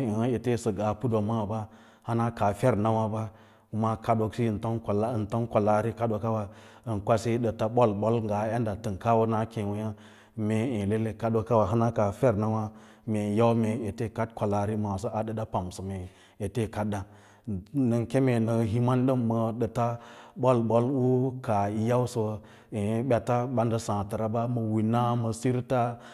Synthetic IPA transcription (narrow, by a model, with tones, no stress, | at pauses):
i˨hə˦e˨te˦˨sə˨ɡa˨pu˦do˨ma˦wba˦ | ha˦na˦ka˨fe˦ɾna˦wa˦ba˦ | ku˦ma˦ka˦ɗo˨ksi˦˨nto˦nklnto˦nko˨la˦ɾi˦ka˦do˨ka˦wa˨ə˨nkʷa˦se˦ɗə˨ta˦ɓo˦lɓo˦lŋɡa˨˦ja˦nda˨tɨ˨nka˦wo˦na˦kẽ˨wu˦ja˦ | me˨ẽ˨le˦le˦ka˦ɗo˨ka˦wa˨ɦa˦na˦ka˨fe˦ɾna˦wa˦ | me˨ja˦u˦me˨e˨te˦ka˦t̚kʷa˨la˨ɾi˦ma˨a˨s̬ə˦ʔa˨də˨da˦pa˨msə˨me˨ | e˨te˦˨ka˦da˦ | nə˨nke˦me˨nə˨ɦi˦ma˦nɗə˦mːə˨ɗə˨ta˦ɓo˦lɓo˦lwu˦ka˨i˨ja˦wsə˨˦ | e˨˦ɓʲa˨ta˦ɓa˦ndə˦sã˨tə˨ɾa˨˦ba˦mə˨wi˨na˦mə˨si˦ɾta˦